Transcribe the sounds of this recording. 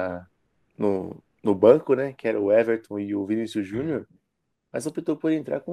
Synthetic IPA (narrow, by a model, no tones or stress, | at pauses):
nʊ̰ | nʊbɐ̃kʊnɛkɪɛɾɐʊɛveɾt̪õɪʊvinisjʊʒũnioɾ | mɐzopit̪oɾpoɾd͡ʒẽnt̪ɾa̰ɾkõ